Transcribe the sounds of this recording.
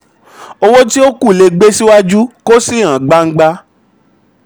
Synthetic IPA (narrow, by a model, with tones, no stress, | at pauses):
o˧wo˦ti˦o˦ku˦˨le˧ɡ͡be˦si˦wa˦d͡ʒu˦ko˦si˦ã˨ɡ͡ba˧ŋ̩˦ɡ͡ba˧